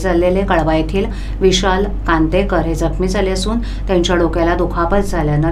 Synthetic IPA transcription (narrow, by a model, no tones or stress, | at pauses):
d͡zʱalelekəɭʋajt̪ʰiːl | ʋiɕal | kãnt̪ekəɾɦed͡zəkmiːd͡zʱaleəsuːn | t̪jãɲt͡ɕjaɽokalad̪ukʰapət͡sd͡zʱaljanə